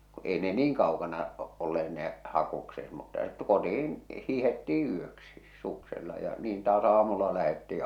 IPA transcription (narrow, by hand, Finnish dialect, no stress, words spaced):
kŭ ei ne niːŋ kɑokɑnɑ olːeːt neˑ hɑkukset mutːɑ e̥t kotih̞in hiːhetːiː yøksis sukselːɑ jɑ niːn tɑːs ɑːmulːɑ læhetːiː